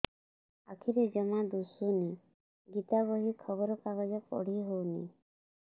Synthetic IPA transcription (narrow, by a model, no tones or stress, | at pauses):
a̰kʰiɾed͡ʒɔmad̪usune | ɡit̪abɔɦikʰɔbɔɾɔkaɡɔd͡ʒɔpɔ̰ɽ̤iɦownḭ